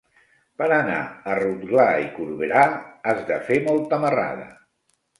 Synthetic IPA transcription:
pəɾəna̰ərut̪ɡlaikuɾβeɾaazðəfemɔlˠt̪əməra̰ðə̰

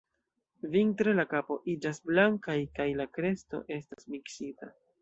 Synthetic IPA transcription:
vintɾe̞lakapo̞ʔid͡ʒasblaŋkajkajlakɾe̞sto̞̰ʔe̞stasmiksita

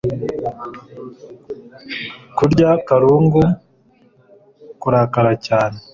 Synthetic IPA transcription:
kuɾɟakaɾuːŋɡu | kuɾakaɾacaːne

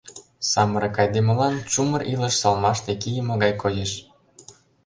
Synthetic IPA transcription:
sɑməɾekɑjd̪emə̆lɑnt͡ɕumə̆rʔilə̆ʃsɑlmɑʃt̪ekijəmŏɣɑjkojeʃ

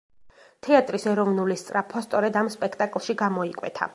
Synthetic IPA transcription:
t̪ʰɛat̪ʼɾisɛɾɔvnulist̪sʼɾapʰast̪sʼɔɾɛd̪amspʼɛkʰt̪ʼakʼlˠʃiɡamɔikʼwɛ̰t̪ʰa̰

